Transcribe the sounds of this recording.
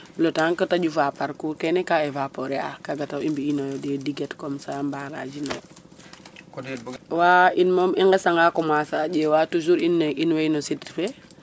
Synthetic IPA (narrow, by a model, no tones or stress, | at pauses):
lɔtaŋkatad͡ʒufapaɾkuːɾkɛnɛkaevapoɾɛa̰kaɡatawimbiːnɔjɔdɛdiɡetkɔmsambaɾa̰d͡ʒinɔ̰j | wainmɔmiŋɡɛsaŋɡakɔmwasad͡ʒewatud͡ʒuɾinːinwejnɔsitfe